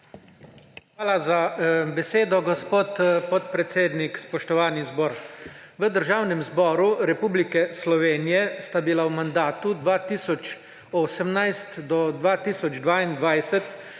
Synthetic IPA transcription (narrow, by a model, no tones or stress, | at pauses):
xʋaːlazabɛseːd̪ɔɡɔspoːt̪pɔt̪̚pɾɛt̪seːd̪nikspɔʃt̪ɔʋaːnizbɔːɾʋəd̪əɾʒaːwnɛmzbɔːɾuɾɛpuːblikɛslɔʋeːnijɛst̪abilawmand̪aːt̪ud̪ʋaːt̪iːsɔt͡ʃ | oːsɛmnajst̪d̪ɔd̪ʋaːt̪iːsɔd͡ʒd̪ʋaːind̪ʋajsɛt̪